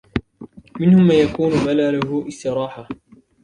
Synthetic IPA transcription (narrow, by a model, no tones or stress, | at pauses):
mɪnhʊmːaːjakuːnʊmalaːlʊhʊʔɪst̪ɪɾˤɑːħa